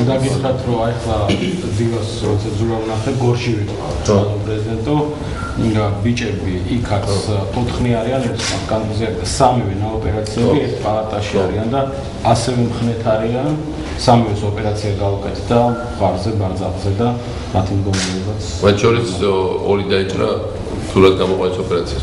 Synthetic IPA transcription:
d̪aɡit̪χɾat̪ʰɾɔaɛχlˠad̪ilasɾɔt̪sʰad̪zulaɾnaχɛɡɔɾʃivit̪ʼqʼa̰vɛ̰t̪ʰat̪ɔpʼɾɛzid̪ɛnt̪ʼɔ | bit͡ʃʼɛbi | ikʰat̪st̪ʰɔt̪ʰχniaɾianɛt̪ʰma̰t̪kʼant̪ʼɔzɛa | samivɛnaɔpʼɛɾat̪sʰiɛbiɛɾt̪ʰpʼalˠat̪ʼaʃiaɾiand̪aː | sɛvɛmχnɛt̪ʰaɾian | samivɛsɔpʼɛɾat̪sʰiaɡaukʼɛt̪ʰd̪a | ʁaɾzɛbaɾd̪za̰pʼzɛd̪a | mat̪ʰimd̪ɡɔmaɾɛɔbat̪sʰmat̪ʰʃɔɾit̪sɔɾid̪ait͡ʃʼɾa̰ | z̥uɾad̪̚ɡamɔqʼwanɛsɔpʼɛɾat̪sʰias

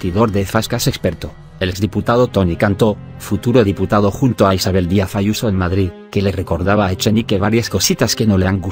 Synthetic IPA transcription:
t̪iðo̞ɾðefaskasekspeɾt̪o | elekzðiput̪að̞ot̪onikant̪o | fut̪uɾoðiput̪aðoxunt̪oaisaβe̞ld̪iafajusoenmaðɾið | kelereko̞ɾðaβaet͡ʃenikeβaɾjasko̞sit̪askenoleaŋɡu

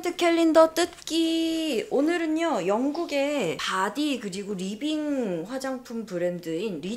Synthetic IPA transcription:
tʰɯkʰeʎːindʌt͈ɯt̚k͈i | onɯɾɯnjojʌŋɡuɡe̞padikɯɾiɡoɾibiŋɸwad͡ʑaŋpʰumpɯɾe̞ndɯinɾi

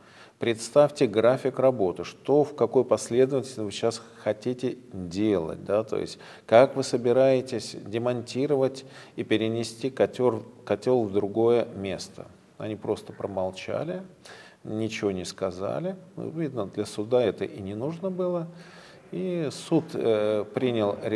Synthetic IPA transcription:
pɾʲɪt̪st̪afʲtʲɪɡɾafʲɪkrɐbo̞t̪ɨʂt̪o̞fkɐko̞jpɐsʲlʲe̞d̪əvətʲɪlʲvɨɕasxɐtʲitʲɪdʲe̞lˠə̰t̚ʲd̪at̪o̞̰jɪ̰sʲtʲ | kakvɨsəbʲɪɾajɪtʲɪsʲdʲɪmɐnʲtʲiɾəvətʲipʲɪɾʲɪnʲɪsʲtʲikɐtʲorkɐtʲolˠvd̪ɾʊɡo̞jəmʲe̞st̪ə̰ | ɐ̰nʲipɾo̞st̪ə̥pɾəmɐlˠt͡ɕa̰lʲɪ | nʲɪt͡ɕɪvo̞nʲɪskɐza̰lʲɪnṵvʲid̪nəd̪lʲɐsʊd̪aɛt̪ə̰ʔinʲɪnuʐnəbɨlˠə | isut̪pɾʲinʲɪlˠɾʲ

